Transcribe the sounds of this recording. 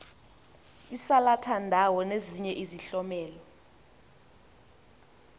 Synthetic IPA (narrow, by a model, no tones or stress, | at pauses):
isalatʰandʱawɔneziɲɛʔiziɬɔmɛːlɔ